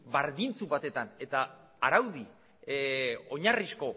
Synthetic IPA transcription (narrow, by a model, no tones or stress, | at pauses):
baɾðint͡suβat̪e̞t̪ane̞t̪aː | ɾawði | o̞ɲarisko̞